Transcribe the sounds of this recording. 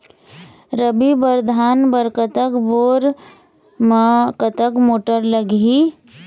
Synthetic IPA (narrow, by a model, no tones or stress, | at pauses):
ɾəbibəɾd̪ʱaːnbəɾkət̪əkboːɾ | mkət̪əkmoːʈəɾləɡi